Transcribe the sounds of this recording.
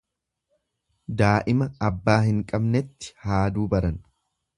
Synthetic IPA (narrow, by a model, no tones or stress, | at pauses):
d̪aːʔɪmɐɐbːaːɦɪŋkʼɐbnɛt̪ːɪ̥haːd̪uːbɐɾɐn